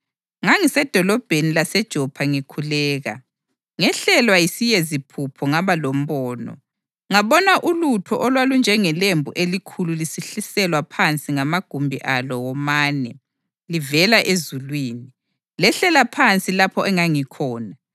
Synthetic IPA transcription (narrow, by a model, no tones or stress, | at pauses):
ŋaŋisɛd̥ʱɔlɔb̥ʱenilasɛd̥ʒ̥ʱɔpʰaŋikʰulɛːɣa̰ | ŋɛɬɛlwajisijezipʰupʰɔŋaβalom̩βɔːnɔ̰ | ŋaβɔnaʔulutʰɔʔɔlwalund͡ʒʱɛŋɛlembʱuʔelikʰululisiɬisɛlwapʰant͡sʼiŋamaɡ̥ʱumbʱiʔalɔwɔmaːnɛ | livɛlaʔezulwiːni | lɛɬɛlapʰant͡sʼilapʰɔʔɛŋaŋikʰɔːna